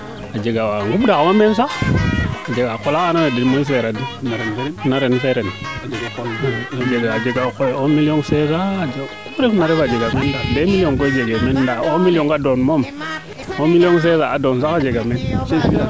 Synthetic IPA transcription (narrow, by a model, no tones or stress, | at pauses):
ad͡ʒeɡawaŋɡubdamamens̬a | ad͡ʒeɡakolaanawedimens̬eɾadinaɾnnaɾenfeɾenad͡ʒeɡakad͡ʒeɡad͡ʒeɡakoomiloŋsezad͡ʒkubɾefnaɾebad͡ʒeɡamendabemiloŋkod͡ʒeɡemendaomiloŋkadonmom | omilioŋs̬ezaadons̬akad͡ʒeɡament͡ʃesia